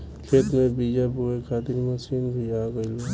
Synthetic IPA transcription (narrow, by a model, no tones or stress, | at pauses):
kʰeːt̪mẽbid͡ʒabuekʰaːt̪ɪɾməsiːnbʱiaːɡəilo